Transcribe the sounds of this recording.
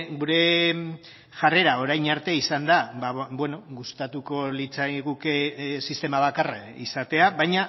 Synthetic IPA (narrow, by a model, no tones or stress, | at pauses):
ɣuɾe̞ | ʝare̞ɾao̞ɾajɲaɾt̪eisand̪abaβwe̞no̞ɣust̪at̪uko̞lit͡saɣukesist̪e̞maβakaraisat̪e̞aβajɲa